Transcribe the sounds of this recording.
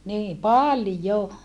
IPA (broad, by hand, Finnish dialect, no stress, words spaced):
niː pɑljo